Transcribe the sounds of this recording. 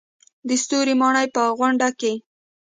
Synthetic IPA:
d̪əst̪oɾimɑɳəjpəɣwaɳɖake

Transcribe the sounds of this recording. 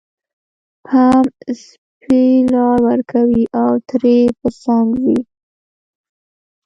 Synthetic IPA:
pʰams | pelɑɾwəɾkʰawiʔawt̪ɾepəsaŋɡwi

